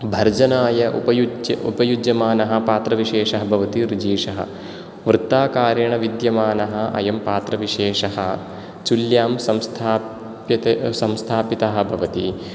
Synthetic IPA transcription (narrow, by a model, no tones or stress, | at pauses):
bʱɐɾd͡ʒɐnaːjɐʔṵpɐjud͡ʒɐupɐjud͡ʒjɐmaːnɐɦɐ̆paːt̪ɾɐʋiʃeːʂɐɦɐbʱɐʋɐt̪iɾid͡ʒiːʂɐɦɐ̰ | ʋɾɨt̪ːaːkaːɾjɐɳɐʋid̪jɐmaːnɐɦɐɐ̰jɐmpaːt̪ɾɐʋiʃeːʂɐɦɐ̰ | t͡ʃuljaːmsɐmst̪ʰaː | jɐt̪sɐmst̪ʰaːpit̪ɐɦɐ̆bʱɐʋɐt̪i